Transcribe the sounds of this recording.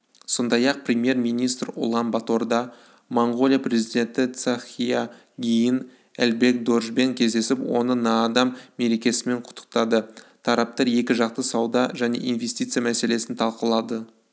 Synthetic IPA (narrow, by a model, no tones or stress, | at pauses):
so̞nd̪ɑjɑq̚prʲemje̞rmijnijst̪rʊ̰lˠɑnbat̪o̞rd̪ɑ | moɴɡo̞lʲijaprʲe̞zid̪ʲe̞nt̪ɪt̪sɑχija | ɡʲijɪn | ælbe̞k̚d̪o̞rʒbe̞ŋkʲʰe̞zd̪e̞sɪpwo̞nənɑːd̪ɑmːe̞ɾe̞kʲe̞sɪme̞ɴqʰʊ̥t̪ːə̥q̚t̪ɑd̪ət̪ʰɑɾɑp̚t̪ɑɾje̞kʲɪʒɑq̚t̪əsɑwd̪ɑʒæne̞̰ʔinvest̪ijt̪sɨjamæse̞le̞sɪnt̪ʰɑlˠqəlˠɑd̪ə